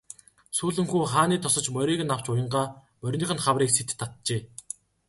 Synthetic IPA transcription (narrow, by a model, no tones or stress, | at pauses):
suːɮɘ̆ŋxuːχaːniːt̪ʰɔsɞ̆t͡ɕmœɾʲiːɣɘ̆naw̥t͡ɕʊjə̆ɴɢaː | mœrʲniːχɘ̆nχawriːkset̪ʰːat̪t͡ɕeː